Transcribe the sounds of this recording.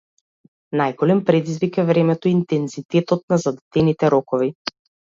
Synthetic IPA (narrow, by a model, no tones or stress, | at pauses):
najɡɔlɛmpɾɛd̪izvikɛvɾɛmɛt̪ɔint̪ɛnzit̪ɛt̪ɔt̪̚nazad̪ɛt̪ɛnit̪ɛɾɔkɔvi